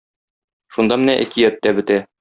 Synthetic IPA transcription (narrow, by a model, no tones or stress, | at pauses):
ʃund̪ɑmɘ̆næʔæ̰kijæt̪ːæbɘ̆t̪æ